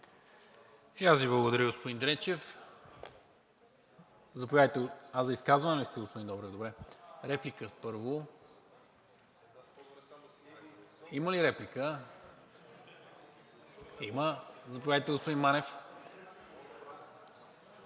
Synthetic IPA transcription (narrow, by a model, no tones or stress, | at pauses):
iasviblˠəɡʊd̪ɐɾəɡospʊd̪ind̪ɾɛt͡ʃɛf | zɐpovʲjajt̪ɛazɐiskazvɐnɛlist̪ɛɡospʊud̪ind̪ɔbɾɛd̪obɾɛɾɛplikəpɤɾvo | iməliɾɛplikə | iməzɐpojajt̪ɛɡospʊd̪inmanɛf